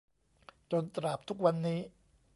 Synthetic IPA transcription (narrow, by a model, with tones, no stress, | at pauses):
t͡ɕo˧nt̪ɾa˨˩p̚t̪ʰu˦˥k̚wa˧nːiː˦˥